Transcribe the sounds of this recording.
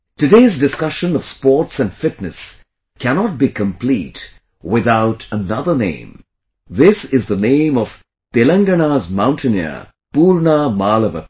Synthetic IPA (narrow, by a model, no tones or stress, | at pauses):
tɨɖeːzdɪskʌʃə̃nɔv̥spɔːɾʈsæ̃nɖfɪtnɨs | kænɔt̚bikə̃mpliːt | wɪðaʊʈʰənʌðə˞nḛ̃ɪ̃m | ðɪsɪzðənẽɪ̃mɔv̥ | t̪elə̃ŋɡənazmãʊ̃ntʰənjə̰ | puːɾnamaːləʋə̰